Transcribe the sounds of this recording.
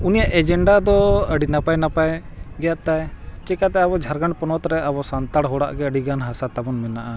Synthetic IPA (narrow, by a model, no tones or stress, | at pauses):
unijaʔɛd͡ʒɛɳɖad̪ɔəɖinapajnapajɡɛjat̪ajt͡ʃɛkat̪ɛabɔd͡ʒʱaɾɡaɳpɔnɔt̪ɾɛabɔsant̪aɽɦɔɽa̰ʔɡɛəɖiɡanɦasat̪abɔnmɛnaʔa